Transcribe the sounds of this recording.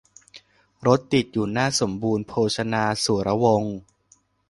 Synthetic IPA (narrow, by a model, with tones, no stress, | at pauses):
ɾo˦˥t̪ːi˨˩t̪̚juː˨˩naː˥˩so˩˦mbuː˧npʰoː˧sʰa˧naː˧su˩˦ɾa˧wo˧ŋ